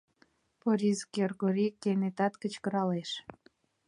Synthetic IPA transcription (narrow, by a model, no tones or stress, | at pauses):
poɾʲizkerɣoɾʲikːenet̪ɑt̪kət͡ɕkə̆ɾɑleʃ